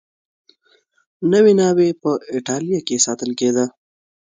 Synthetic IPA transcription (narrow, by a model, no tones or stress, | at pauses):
nəwenɑwepəɪʈɑlijakesɑt̪əlked̪ə